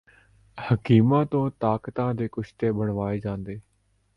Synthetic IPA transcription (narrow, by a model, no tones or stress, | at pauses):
həkiːmãːt̪õːt̪aːkt̪ãːd̪eːkʊʃʰt̪eːbəɳʋaːeːd͡ʒãːnd̪eː